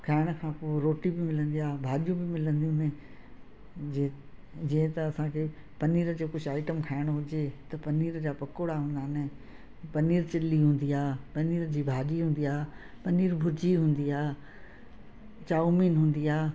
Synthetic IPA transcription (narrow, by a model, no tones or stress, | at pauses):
kʰaːɪɽ̃̆kʰãːpoːɾoːʈibɪmɪlə̃nd̪iaːbʱaːɗijũbɪmɪlə̃nd̪ijũnɪ̃ | d͡ʑĩɦɪ̃t̪ɐːsãkʰeː | pɐniːɾəd͡ʑoːkʊd͡ʑʱaːɪʈəmkʰaːɪɽ̃ɦʊd͡ʑet̪ɐpɐniːɾd͡ʑaːpɐkoːɽaɦũːnd̪aːɦnɪ | pɐniːɾt͡ɕɪliɦũːn̆d̪iaːpɐniːɾd͡ʑiːbʱaːʄiɦũːn̆d̪iaː | pɐniːɾbʱʊɾd͡ʑiɦũːn̆d̪iaː | t͡ɕaːumiːnɦũːn̆d̪iaː